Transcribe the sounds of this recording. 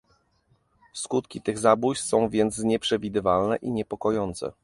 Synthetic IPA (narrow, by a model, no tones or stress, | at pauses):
skut̪kʲit̪ɘɣzabujsɔ̃w̃vʲjɛnt̪sɲɛpʂɛvʲid̪ɘvalnɛʔiɲɛpɔkɔjɔnt̪sɛ̰